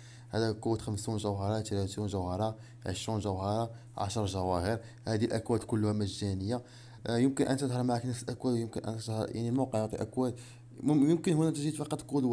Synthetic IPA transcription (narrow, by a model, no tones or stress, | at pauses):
hæd̪æqʊwːət̪xəmsunʒəwɦɑɾˤɑt̪læt̪unʒəwhɑɾˤɑ | ʕə̰ʃɾunʒəwhɑɾˤɑ | ʕɑ̰ʃəɾˤʒæwæhəɾ | hæd̪ilʔækwæd̪kʊlːhæməʒːænəjːa | jəmkənʔənæt̪əd̪həɾˤmaʕæknəfsəlʔækwæd̪jəmkənʔə̰næt̪əd̪hə̰ɾjʔa̰ʕnilmɑqəʕjoʕt̪ˤiʔəkwæd̪ | jəmkənhunːæt̪əʒid̪fɑqɑt̪ˤqulwæ